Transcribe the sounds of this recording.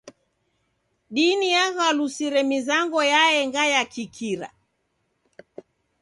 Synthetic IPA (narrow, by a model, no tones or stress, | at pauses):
ɗinijaɣalusiɾɛmizaŋɡɔjaɛŋɡajakikʰiɾa̰